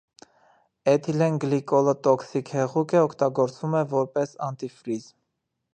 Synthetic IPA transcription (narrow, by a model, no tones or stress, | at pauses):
ɛt̪ʰilɛnɡlikɔlət̪ɔksikhɛʁukəɔkʰt̪ɑɡɔɾt͡svumɛvɔɾpɛsɑnt̪ifɾizm